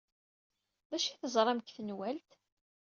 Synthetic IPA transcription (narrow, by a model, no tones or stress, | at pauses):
ðæʃiθəzˤɾˤɑmkθənwælt̪